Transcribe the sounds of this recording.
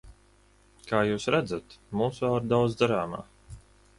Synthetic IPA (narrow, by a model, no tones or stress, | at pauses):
kaːjuːsɾæd̪zat̪muːsvaɾd̪awd̪zd̪aɾaːma̰ː